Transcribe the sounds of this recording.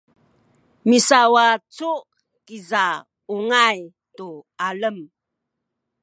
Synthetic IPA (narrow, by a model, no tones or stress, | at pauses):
misawat͡suʔ | kiza | uŋaj | tualəm